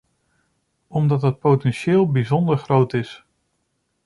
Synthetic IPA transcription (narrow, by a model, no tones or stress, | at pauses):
ɔmdɑtɦət̚powtɛnʃɪːlˠbizɔndəɹχrowtɪs